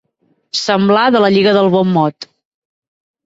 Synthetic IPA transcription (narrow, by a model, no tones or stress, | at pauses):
səmblaðələʎiɣəðəlˠβɔmːɔt̪